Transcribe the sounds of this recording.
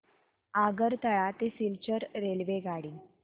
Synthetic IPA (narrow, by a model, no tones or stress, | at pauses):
aɡəɾt̪əɭat̪esilt͡ɕəɾɾelʋeɡaɽiː